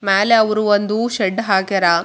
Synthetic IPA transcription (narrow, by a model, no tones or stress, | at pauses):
meːleɐʋɐɾuond̪uʃɛɖːɦaːɡeɾa